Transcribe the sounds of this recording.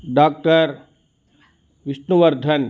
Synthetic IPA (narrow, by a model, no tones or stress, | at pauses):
ɖaːk̚ʈəɾ | ʋɪʃnuʋəɾd̪ʱən